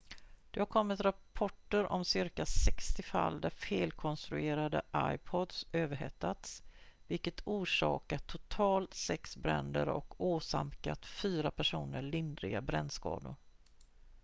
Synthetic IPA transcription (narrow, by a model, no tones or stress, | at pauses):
d̪̥ɛhaɾkʰɔmːɪt̪ɾapʰɔʈːəɾʔɔmsɪɾkasɛkst̪ɪfa̰ld̪æɾfeːlkʰɔnst̪ɾɵeːɾad̪əʔa̰jpʰɔd̪søːvəhɛ̰t̪ːat̪svɪlkət̪ʰuːʂɑ̰ːkat̪ʰːʊt̪ʰɑːlt̪sɛksbɾɛ̰nd̪əɾɔ̰koːsamka̰t̪fyːɾapʰæʂuːnəɭɪnd̪ɾɪɡabɾɛnd̪skɑ̰ːd̪ʊɾ